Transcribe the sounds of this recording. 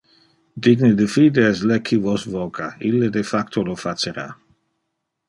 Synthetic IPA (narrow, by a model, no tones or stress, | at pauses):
d̪iɡned̪əfiːd̪eɛslekʰːivɔsvɔkʰailːed̪efakt̪olofat͡ʃeɾa̰